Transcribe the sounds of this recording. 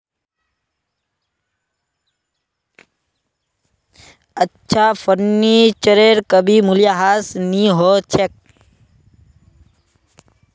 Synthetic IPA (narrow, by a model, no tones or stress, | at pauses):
ətːʃʰafəɾnit͡ʃəɾeɾkəbimuljaɦasniɦot͡ʃʰek̚